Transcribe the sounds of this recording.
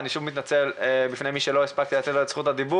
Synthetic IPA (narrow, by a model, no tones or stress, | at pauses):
niʃuvmit̪̬nat͡se̞lbifne̞jmiʃelo̞ispak̚t̪ilat̪et̪alt͡sχut̪ad̪ibu